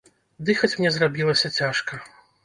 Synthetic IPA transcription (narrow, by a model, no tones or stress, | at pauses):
d̪ɨxɐt͡sʲmnʲɛzrabʲilˠɐsʲɐt͡sʲaʂkɐ